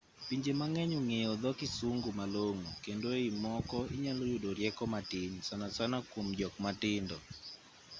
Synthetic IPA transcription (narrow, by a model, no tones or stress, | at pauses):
piɲd͡ʒemaŋɛɲoŋeɔd̪ɔkisuŋɡumaloŋukendoimɔkɔiɲalojudoɾjɛkɔmatɪɲsanasanakomd͡ʒɔk̚matɪndɔ